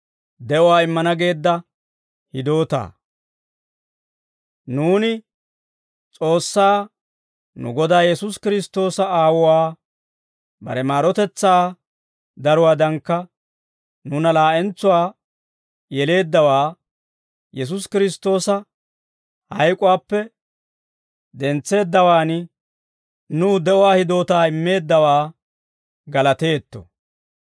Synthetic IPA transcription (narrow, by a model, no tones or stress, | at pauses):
d̪ɛʔɔwaːɪmːɐnɐɡe̞ːd̪ːɐ | hɪd̪o̞ːt̪a̰ː | nuːnɪ | t͡sʼo̞ːsːaː | nʊ̰ɡɔd̪aːjɛsʊskɪɾɪst̪o̞ːsɐaːwʊwaː | bɐ̰ɾɛmaːɾɔt̪ɛt͡sːaː | d̪ɐɾʊwaːd̪ɐŋkːɐ | nʊnɐlaːʔɛnt͡sːʊwaː | jɛle̞ːd̪ːɐwaː | jɛs̬ʊskɪɾɪst̪ːo̞ːsɐ | hɐjkʼʊwaːpːɛ | d̪ɛnt͡sːe̞ːd̪ːɐwaːn | nuːd̪ɛʔɔwaːhɪd̪o̞ːt̪aːɪmːe̞ːd̪ːɐwaː | ɡɐlɐt̪e̞ːt̪ːɔ̥̰